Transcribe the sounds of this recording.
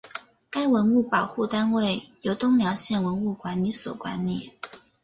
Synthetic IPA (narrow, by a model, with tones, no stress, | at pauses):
ka˥ɪwə˧˥nu˥˩pɑ˨˩ʊxu˥˩t̪a˥nwe˥˩ɪjo˧˥ʊt̪ʊ˥ŋljɑ˧˥ʊɕjɛ˥˩nwə˧˥nu˥˩kwa˧˥nli˧˥˦swɔ̰˨˩kwa˧˥nli˨˩˦